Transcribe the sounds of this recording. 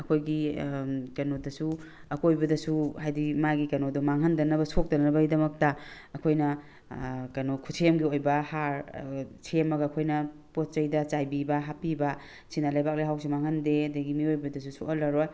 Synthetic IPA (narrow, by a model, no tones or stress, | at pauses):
ɐkʰojɡi | kɐnodɐsu | ɐkojbɐdɐsuhajdimaɡikɐnodumaŋɦɐndɐnɐbɐsʰok̚tɐnɐɐbɐɡidɐmɐk̚tɐː | kʰojnɐ | kɐnokʰusʰemɡiojbɐhaɾsʰemɐɡɐːkʰojnɐpot̚t͡ʃɐjdɐt͡ʃajbibɐɦapibɐ | sinalajbak̚lajɦawsimaŋhɐndeɐdɐɡimiojbɐdɐs̬usuʔalɐɾoj